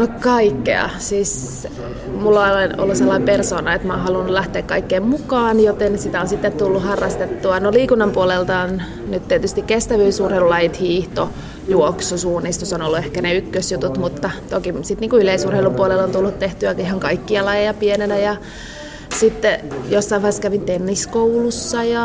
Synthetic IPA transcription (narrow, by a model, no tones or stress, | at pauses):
nokɑikːḛɑ̰siːs | mulːooleno̰lːuselːɑimpersoːnɑet̪mɑːnhɑlunːulæht̪eːkkɑikːeːmmukɑːnjot̪ensit̪æonsit̪ːet̪t̪ulːuhɑrːɑst̪et̪ːuɑnoliːkunːɑmpuolelt̪ɑon | nyt̪t̪iet̪yst̪ikkest̪æʋyisurheilulɑjit̪hiːht̪o | juoksusuːnːist̪osonolːuehkæneykːøsjut̪ut̪mut̪ːɑt̪okisit̪niːŋkuyleisurheilumpuolelont̪ulːut̪t̪eht̪yækihɑŋkɑikːiɑlɑjɑjɑpienenæjɑ | sit̪ːejosːɑiʋɑːskæʋint̪enːiskoulusːɑjɑ